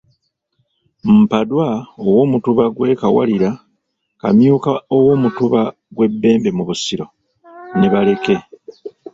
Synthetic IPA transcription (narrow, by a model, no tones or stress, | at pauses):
m̩padwaowo̞ːmutuβaɡwe̞ːkawa̰liɾa | kamjuːkaowo̞ːmutuβa | ɡwe̞bːe̞ːmbe̞muβusiɾo̞ | neβale̞ke̞